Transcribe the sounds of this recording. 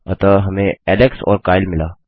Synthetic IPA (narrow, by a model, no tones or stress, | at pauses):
ɐt̪aɦɐmẽɛːleksɔ̰ːɾkaːɪlmɪlaː